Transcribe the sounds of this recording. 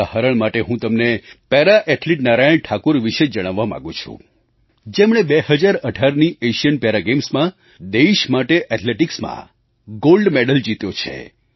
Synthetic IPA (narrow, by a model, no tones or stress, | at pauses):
ahaɾəɳmaʈeɦũt̪əmnepɛɾaʔɛʈliʈ̚naɾajəɳʈʰakoɾʋiʃed͡ʒəɽ̃aʋːamã̰ɡũt͡ʃʰṵ̃ | d͡ʒemɽ̃ebeɦəd͡ʒaɾəɖʱaɾnieʃijənpeɾaɡemsmã | d̪eiʃmaʈeʔɛʈʰleʈiksmã̰ | ɡolɖmeɖəld͡ʒit̪jot͡ʃʰḛ